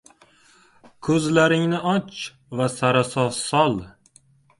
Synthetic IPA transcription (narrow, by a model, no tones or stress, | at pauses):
kʰɵzlaɾɪŋnɪɒt͡ʃ | vasaɾasɒsɒlˠ